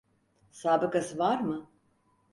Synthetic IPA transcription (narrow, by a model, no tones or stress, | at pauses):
saːbɯkasɯvaɾmɯ